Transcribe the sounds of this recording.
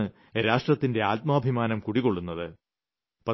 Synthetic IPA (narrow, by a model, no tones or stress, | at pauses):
ɨ | ɾaːʂʈrɐt̪ːinde̞aːt̪̚mɐːbʱimaːnɐmkuɽiko̞ɭːunːɐðɨ | pɐ